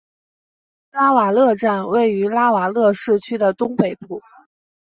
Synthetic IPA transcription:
la˥wa˨˩lɤ˥˧ʈ͡ʂa˥˧nwe˥˩ɪy˧˥la˥wa˨˩lɤ˥˧ʂɻ̩˥˩t͡ɕʰy˥d̪ə˨t̪ʊ˥ŋpe˨˩ɪpu˥˩

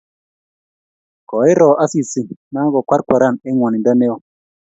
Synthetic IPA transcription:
kɔ˨e˦ɾɔ˨ʔa˦si˨si˨na˦ɡɔ˨kʷwa˦ɾ̚kʷa˨ɾa˦˨ne˦ŋwɔ˨ni˨nda˦ne˦o˨

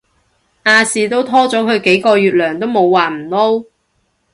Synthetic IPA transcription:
ʔaː˧siː˨˧t̪o˥wt̪ʰɔː˥t͡sɔː˨˥kʰɵ˨˧ɥke˨˥jkɔː˧jyː˨t̚lœː˨˩ŋt̪o˥wmo˨˧wwaː˨˩m̩˨˩lo˥w

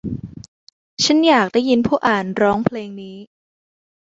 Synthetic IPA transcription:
t͡ɕʰa˦˥njaː˨˩k̚daː˥˩ji˧npʰuː˥˩ʔaː˨˩nɾɔː˦˥ŋpʰleː˧ŋniː˦˥

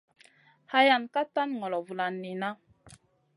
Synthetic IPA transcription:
ha˦ja˨nka˦ta˦nŋɔ˨lɔ˨vu˨la˨nːi˨na˦

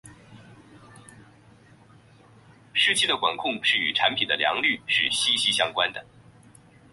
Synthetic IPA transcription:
ʂɻ̩˥˩t͡ɕʰi˥˩d̪ə˩kwa˨˩nkʰʊ˥˩˧ŋʂɻ̩˥˩y̰˨˩ʈ͡ʂʰa˧˥npʰi˨˩nd̪ə˦ljɑ̰˧˥ŋly˥˧ʂɻ̩˥˩ɕi˥ɕi˥ɕjɑ˥ŋkwa˥nd̪ə˩

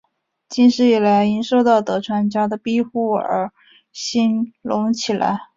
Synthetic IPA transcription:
t͡ɕi˥˧nʂɻ̩˥˩i˨˩la˧˥ɪi˧˥ŋʂo˥˧ʊt̪ɑ˥˩ʊt̪ɤ˧˥ʈ͡ʂʰwa˧˥nt͡ɕja˥d̪ə˨pi˥xu˥˩ə̰˧˥ | ɕi˥nlʊ˧˥ŋt͡ɕʰi˨˩la̰˧˥ɪ

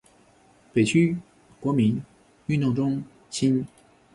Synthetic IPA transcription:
pe˨˩t͡ɕʰy˥ | kwɔ˧˥mi˧˥n | y˥˧nt̪ʊ˥˩ŋʈ͡ʂʊ˥ŋ | t͡ɕʰi˥n

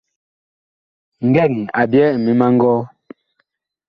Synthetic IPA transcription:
ŋ˨ɡɛ˦˨ŋi˨a˨bjɛ˦˨mi˨˦ma˦ŋ̩˦ɡɔː˦

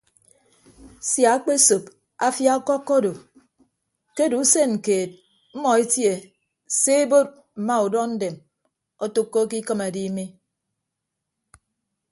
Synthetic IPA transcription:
sja˨˦k͡pe˦so˨p̚ | a˦fja˦kɔ˦kːɔ˦do˨ | ke˦du˨˦se˦ŋ̩˨keː˨t̚ | m̩˦mɔ˨e˦tje˨ | se˦e˦bo˦t̚ | m̩˨ma˦u˨dɔ˦n̩˦de˨m | ɔ˦tu˦kːo˦ki˦kɨ˦ma˨di˦mi˦

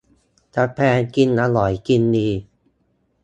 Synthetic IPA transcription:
t̪a˧˩pʰɛː˧nki˧nʔa˧lɔ˩˦jki˧nːiː˧

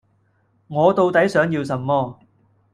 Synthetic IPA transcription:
ŋɔː˨˧t̪o˧wt̪ɐ˨˥jsœː˨˥ŋjiː˧wsɐ˨mːɔː˥˧

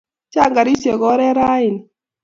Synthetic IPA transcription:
t͡ʃa˦˨ŋɡa˨ɾi˦sje˨ɡɔ˦ɾɛ˦ɾa˦ɪ˨ni˨

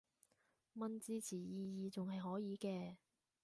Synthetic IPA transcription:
mɐ˧nt͡siː˧t͡sʰiː˨˩jiː˨˧jiː˨˧t͡sʊ˨ŋhɐ˨jɦɔː˨˥jiː˨˧kɛː˧

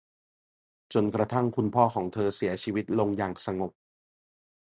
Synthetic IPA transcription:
t͡ɕo˨˩nkɾa˧t̪ʰa˥˩ŋkʰu˧npʰɔː˥˩kʰɔː˩˦ŋt̪ʰɤː˧si˩˦ɐt͡ɕʰiː˧wi˦˥t̪̚lo˧ŋjaː˨˩ŋsa˧ŋo˨˩k̚

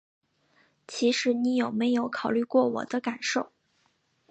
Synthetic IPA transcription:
t͡ɕʰi˧˥ʂɻ̩˧˥ni˧˥jo˨˩ʊme˧˥ɪjo˧˥ʊkʰɑ˨˩ʊly˥˧kwɔ˥˩wɔ̰˨˩d̪ə˦ka˨˩nʂo˥˩ʊ

